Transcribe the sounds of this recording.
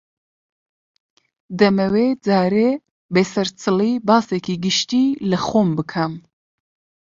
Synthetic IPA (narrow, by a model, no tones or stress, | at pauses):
d̪ɛmɛwed͡zɑːɾeː | besɛɾt͡sʰɨliːbɑːsekʰiɡɨʃt̪iːlɨxoːmbɨkʰɐm